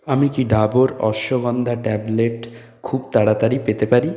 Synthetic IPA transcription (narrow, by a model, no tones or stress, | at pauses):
amikiɖʱaboɾɔ̰ʃoɡɔnd̪ʱaʈɛbleʈ | kʰubt̪aɽat̪aɾipet̪epaɾi